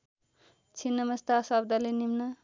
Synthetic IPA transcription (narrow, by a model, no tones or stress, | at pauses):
t͡sʰinːʌmʌst̪asʌb̚d̪alenimnʌ